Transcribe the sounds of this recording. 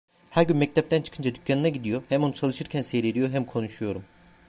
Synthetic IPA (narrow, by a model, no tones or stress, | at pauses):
hæɾɟynmɛc̚t̪ɛp̚t̪ʰænt͡ʃʰɯ̥kʰɯnd͡ʒad̪ycʰːanɯnaɟid̪ijo̞hɛmo̞nut͡ʃʰalˠɯʃɯɾcʰænsejɾe̞d̪ijo̞ɦɛmkʰo̞nuʃujo̞ɾum